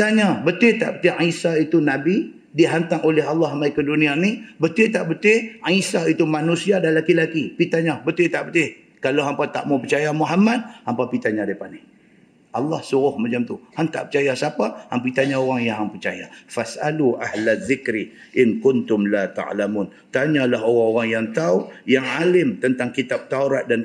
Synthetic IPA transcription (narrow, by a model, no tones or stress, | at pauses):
t̪aɲabət̪ɪht̪a̰ʔbət̪ɪʔisait̪unabi | diɦant̪aŋoleɦalːɑhmajkədunĩanibət̪ɪht̪aʔbət̪ɪhisait̪umanusiadalakilakipit̪aɲabət̪ɪt̪aʔbət̪ɪh | kaloɦampat̪a̰ʔmopət͡ʃajamuɦamad̪̚hampapit̪aɲadapanih | ʔɑlːɑhsuɣʊhmat͡ʃamt̪uhaŋt̪a̰ʔpət͡ʃajasapahampit̪aɲaoɣaŋjaɦaŋpərt͡ʃajafasʔaluʔahlaðɪkɾi | ʔɪŋkʊnt̪ʊmlat̪a̰ʕlamuːn | t̪aɲalaɦoɣaŋoɣaŋjaŋt̪aujaŋalɪmt̪ənt̪aŋkit̪ap̚t̪auɾat̪̚dan